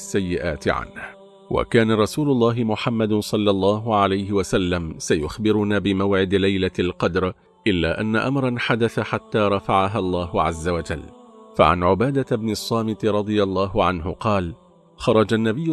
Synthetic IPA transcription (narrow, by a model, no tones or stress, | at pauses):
sːajːɪʔaːt̪ɪ̰ʕa̰nh | wa̰kaːnaɾˤɑsuːlʊlˤːɑːɦɪmʊħamːad̪sˤɑlːɑlˤːɑːɦʊʕalajɦɪwasalːamsajʊxbɪɾʊnaːbɪmawʕɪd̪lajlalqɑd̪ɾˤ | ʔɪlːaːʔanːaʔamɾˤɑnħad̪aθaħat̪ːaːɾˤɑfaʕaɦalˤːɑːɦʊʕazːawad͡ʒalːfa̰ʕa̰nʕʊbaːd̪abnɪsˤːɑːmɪt̪ɾˤɑd̪ˤɨjalˤːɑːɦʊʕanɦʊqɑːl | xɑɾˤɑd͡ʒanːabɪjːʊ